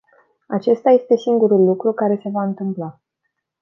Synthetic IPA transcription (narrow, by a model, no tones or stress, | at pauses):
a̰t͡ʃe̞st̪aje̞st̪e̞siŋɡuɾulːukɾukaɾe̞se̞vaɨnt̪ɨmpla